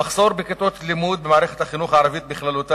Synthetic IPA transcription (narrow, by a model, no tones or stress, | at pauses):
maχso̞ɾbeket̪ot̪limud̪̚bemaʕɾeχet̪haχinuχaʕaɾavit̪biχlalut̪a